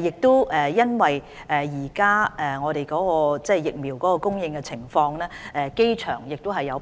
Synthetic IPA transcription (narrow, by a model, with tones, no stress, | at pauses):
jɪ˨k̚t̪o˥ɛ˨˩jɐ˥nwɐ˨j | ʔɛ˨jiː˨˩kaː˥ɛ˨˩ŋɔː˨˧ɾe˨˩jkɔː˨˥kɔː˧t͡sɛː˥˩jɪ˨k̚miː˨˩wkɔː˨˥kɔː˧kʊ˥ŋjɪ˧ŋkɛ˧t͡sʰɪ˨˩ŋfɔː˧ŋlɛː˥ɛ˨ke˥jt͡ʃʰœ̰ː˨˩ŋjɪ˨k̚t̪ʊ˥wɦɐ˨jːɐ˨˧w